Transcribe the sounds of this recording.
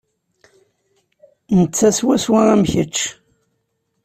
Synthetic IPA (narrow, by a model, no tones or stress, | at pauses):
nət͡sːæswæswaæmçət͡ʃː